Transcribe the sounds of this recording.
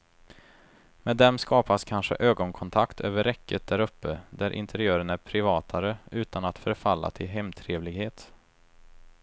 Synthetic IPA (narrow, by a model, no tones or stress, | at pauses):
meːd̪ːɛmskɑːpaskʰanɧə̰ʔøːɡɔnkʰɔnt̪ʰakt̪ʰø̰ːvəɾɛkːət̪̚d̪æɾɵpːəd̪æɾʔɪ̰nt̪ʰɛɾɪøːɾənæɾpʰɾɪvɑːt̪ʰaɾəʔʉ̟ːt̪anat̪fœɾfalːa̰t̪ʰɪlɦɛmt̪ʰɾeːvlɪɡheːt̪